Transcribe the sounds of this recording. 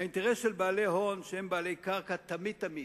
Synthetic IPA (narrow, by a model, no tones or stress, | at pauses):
aint̪eʁesʃelbaːlejɦonʃeembaːle̞jkaʁkat̪amit̪ːami